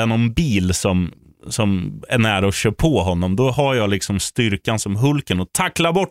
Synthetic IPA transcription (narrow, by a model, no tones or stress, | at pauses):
ɛnɔnbiːlsɔm | sɔmɛɳæːɾɔɕøːpʰɔɦɔnːɔmd̪ɔɦajɑːɡlɪksɔmst̪ʏɾkansɔmɦɵlkənɔt̪ʰakːlaɾbɔʈː